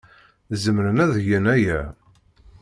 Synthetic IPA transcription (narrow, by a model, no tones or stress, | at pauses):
zəmɾənæðjənæjæ